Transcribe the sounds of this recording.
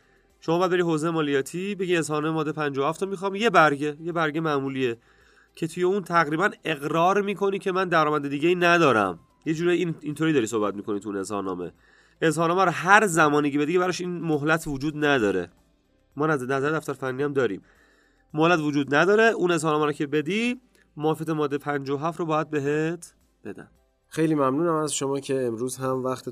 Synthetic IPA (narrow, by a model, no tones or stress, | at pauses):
ʃomɒbæd̪̚beɾihɦoːzejemɒːlijɒːt̪ʰibe̞ɡie̞zhɒːnmemɒːd̪ːepʰænd͡ʒɒːhæft̪ʰɒmixɒːmje̞bæɾɟe̞je̞bæɾɡe̞mæʔmuːliːe | cʰe̞t̪ʰuje̞unt̪ʰæɣɾiːbæne̞ɣɾɒːɾmiːkʰo̞nicʰe̞mænd̪æɾɒːmænd̪ed̪iːɟeiːnæd̪ɒːɾæ̰m | je̞d͡ʒuːɾɒjiint̪ʰoɾid̪ɒːɾiːsohbæt̪miːkʰo̞nit̪ʰuiːne̞zhɒ̰nɒ̰ːme̞̰ | ezhɒːnɒːmæɾɔɦæɾzæmɒːniːcee̞d̪iːcbæɾɒʃinmoɦlæt̪ʰvod͡ʒuːd̪næd̪ɒːɾe̞̰ | mɒːnænæzæɾed̪æft̪æɾfænːiæmd̪ɒːɾḭːm | mohlæt̪vod͡ʒuːd̪næd̪ɒːɾe̞ʔune̞zhɒːnɒːmæɾɔcʰe̞be̞d̪iː | mːfiæt̪ʰemɒːd̪ːepʰænd͡ʒɒɦæft̪ɾobɒːjæd̪̚be̞ɦet̪ʰ | b̥e̞d̪æ̰nd̪̥ | xejliːmæmnuːnæmæzʃomɒːcʰe̞ːmɾuːzɦæmvæxt̪ʰ